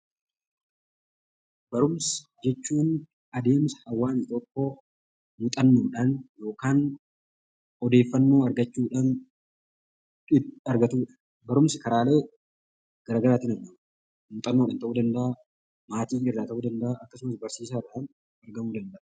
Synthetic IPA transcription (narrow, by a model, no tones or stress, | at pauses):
bɐɾʊmsɪ̥d͡ʒɛt͡ʃːuːn | ɐd̪e̞ːmsɐ̥hɐwːaːnɪt̪okːoː | mʊt̪ʼɐnːoːᶑɐnjo̞ːkaːn | ɔd̪e̞ːfːɐnːo̞ːɐɾɡɐt͡ʃːuːᶑɐn | ɪɐɾɡɐt̪uːᶑɐ̥ | bɐɾʊmsɪkɐɾaːle̞ː | ɡ̥ɐɾaːɡɐɾaːt̪iːnɐnːɐm | mʊt̪ʼɐnːoːᶑɐnt̪ɐʔuːd̪ɐnd̪ɐʔɐ | maːt̪iːnɪrːaːt̪ɐʔuːd̪ɐnd̪ɐʔaʔɐkːɐsʊmɐsbɐɾsiːsaɪrɐᶑɐn | ɐɾɡɐmuːd̪ɐnd̪ɐʔɐ